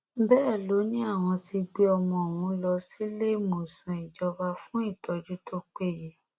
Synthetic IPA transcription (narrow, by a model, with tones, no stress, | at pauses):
bɛː˦˨lo˨˦nĩ˦a˦˨w̃ɔ̃˧ti˧ɡ͡be˧ɔ˧mɔ̃˧o˨wũ˨˦lɔ˧si˦le˦˨mo˨sã˨i˨d͡ʒɔ˧ba˧fũ˦i˦˨tɔ˧d͡ʒu˦tʰo˦k͡pe˦˨je˨